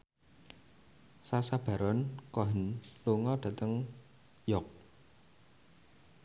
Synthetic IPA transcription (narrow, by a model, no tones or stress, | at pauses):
sasab̥ä̤ɾɔnkɔɦənluŋɔɖ̥ä̤t̪əŋ | jɔk̚